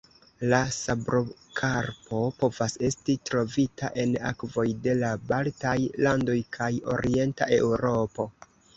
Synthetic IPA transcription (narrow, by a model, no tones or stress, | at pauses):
lasabɾokʰaɾpo̞po̞vase̞stitɾo̞vitaʔe̞na̰kvo̞jde̞labaltajlando̞jkʰajo̞̰ɾie̞nta̰ʔe̞̰wɾo̞po̞